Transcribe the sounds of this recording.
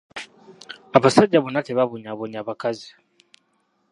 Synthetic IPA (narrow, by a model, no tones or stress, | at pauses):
aβasaɟaβunateβaβuɲaβoɲaβakazi̥